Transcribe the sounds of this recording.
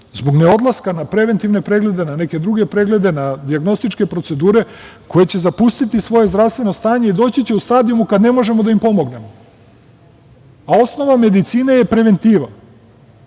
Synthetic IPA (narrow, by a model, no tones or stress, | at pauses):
zbo̞ɡneo̞d̪lˠaskanapɾe̞ʋent̪iʋne̞pɾe̞ɡle̞d̪e̞nane̞ke̞d̪ɾuɡe̞pɾe̞ɡle̞d̪e̞nad̪iaɡno̞st̪it͡ʃke̞pɾose̞d̪uːɾe̞ko̞je̞t͡ɕe̞zapust̪it̪isʋo̞je̞zd̪ɾaʋst̪ʋe̞no̞st̪aːɲe̞id̪o̞ːt͡ɕit͡ɕe̞ust̪aːd̪iumukad̪ne̞mo̞ʒe̞mo̞d̪aimpo̞mo̞ɡne̞mo̞ | ao̞sno̞ʋame̞d̪it̪siːneje̞pɾe̞ʋe̞nt̪iːʋan